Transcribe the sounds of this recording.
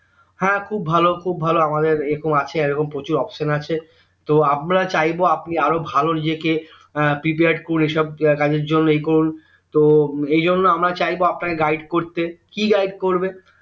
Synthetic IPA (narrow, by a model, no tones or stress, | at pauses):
hɛ̃kʰubːʱalokʰubʱaloamad̪eɾeɾɔkomat͡ɕʰeeɾɔkompɾot͡ɕuɾɔfʃonat͡ɕʰe | t̪oamɾat͡ɕajboapniaɾobʱalonid͡ʑeke | pɾip̬eaɾɖkoɾunejʃɔb̚kad͡ʑeɾd͡ʑonːoejkoɾun | t̪oejd͡ʑonːoamɾat͡ɕajboapnakeɡajɖkoɾt̪ekiɡajɖkoɾbe